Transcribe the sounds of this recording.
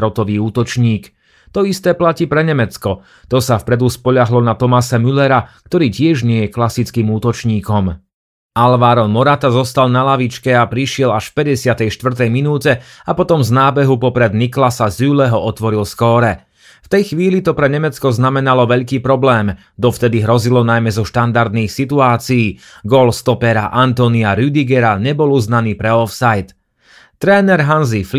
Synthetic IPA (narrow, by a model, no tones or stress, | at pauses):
ɾɔt̪ɔʋiːuːt̪ɔt͡ʃɲiːk | t̪ɔist̪ɛːplaciːpɾɛɲɛmɛt͡skɔ | t̪ɔsafpɾɛd̪uspɔʎaɦlɔnat̪ɔmasɛmylɛɾakt̪ɔɾiːcɪɛʒɲɪɛjɛklasit͡skiːmuːt̪ɔt͡ʃɲiːkɔm | alʋaːɾɔnmɔɾat̪azɔst̪alnalaʋit͡ʃkɛapɾiʃɪɛlaʃfpɛɟɛsɪat̪ɛjʃt̪ʋr̩t̪ɛjminuːcɛapɔt̪ɔmznaːbɛɦupɔpɾɛd̪niklasazylɛɦɔɔt̪ʋɔɾilskɔɾɛ | ft̪ɛjxʋiːlit̪ɔpɾɛɲɛmɛt͡skɔznamɛnalɔʋɛʎkiːpɾɔblɛːm | d̪ɔft̪ɛd̪iɦɾɔzilɔnajmɛzɔʃt̪and̪aɾd̪niːxsit̪uaːt͡siiː | ɡɔlst̪ɔpɛɾa̰ʔant̪ɔniaɾyd̪iɡɛɾaɲɛbɔluznaniːpɾɛɔfsajt̪ | t̪ɾɛːnɛɾɦanzif